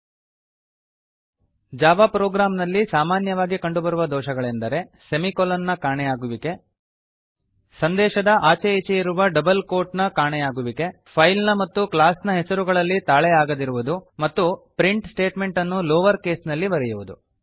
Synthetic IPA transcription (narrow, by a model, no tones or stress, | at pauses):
d͡ʒaːʋapɾɔːɡɾaːmnɐlːisaːmaːnjɐʋaːɡikɐɳɖubɐɾuʋɐd̪ɔːʃɐɡɐɭend̪ɐɾe̞semikolɐnːɐkaːɳɛjaːɡuʋike̞ | sɐnd̪ɛːʃɐd̪ɐʔaːt͡ʃeet͡ʃejiɾuʋɐɖɐbɐlko̞ːɾʈnɐkaːɳɛjaːɡuʋike̞ | pʰɐjlnɐmɐt̪ːuklaːsnɐɦesɐɾuɡɐɭɐlːit̪aːɭɛjaːɡɐd̪iɾuʋud̪umɐt̪ːupɾiɳʈsʈe̞ːʈme̞ɳʈɐnːulɔːʋɐɾke̞ːsnɐlːiʋɐɾɛjuʋud̪u